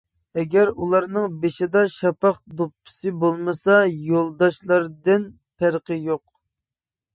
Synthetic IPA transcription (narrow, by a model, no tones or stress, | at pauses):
ɛɡʲæɾulˠɑɾnɨŋbeʃɪd̪ɑʃɑpɑχd̪upːɪ̥sɨbolˠmɨsɑjolˠd̪ɑʃlˠɑɾd̪ɨn | pæɾqəjoq̚